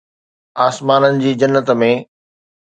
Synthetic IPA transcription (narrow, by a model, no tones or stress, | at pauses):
aːsmaːnənɪ̆d͡ʑiːd͡ʑɐnːət̪mẽ